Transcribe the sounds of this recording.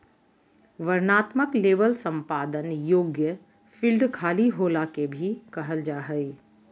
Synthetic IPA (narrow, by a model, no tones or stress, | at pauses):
ʋɐɾnaːt̪məkleːbəlsə̃mpaːd̪ənjoːɡjə | fʰilɖkʰaːliɦoːlakebʱikɐɦəld͡ʒaːɦəi